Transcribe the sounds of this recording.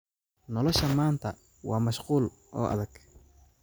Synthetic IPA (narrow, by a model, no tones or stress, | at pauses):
nɔlɔʃɐmaːnt̪ʰɐ | wɑːmɐʃquːl | ʔɔ̰ːʔɐ̰ðɐɡ̥